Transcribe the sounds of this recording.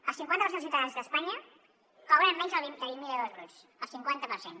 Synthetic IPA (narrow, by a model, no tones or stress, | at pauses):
əlˠsiŋkwant̪əpəsens̬iwt̪aðanzðəspaɲə | kawɾəmmːɛnzəlβind̪əβinmilˠəðɔzɣɾus | əlˠsiŋkwant̪əpərsen